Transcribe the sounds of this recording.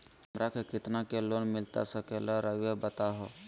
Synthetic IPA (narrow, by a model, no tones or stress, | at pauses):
mɾəkʰkɪt̪nakeloːnmɪlt̪a̰səkeləɾəʋjebət̪aɦoː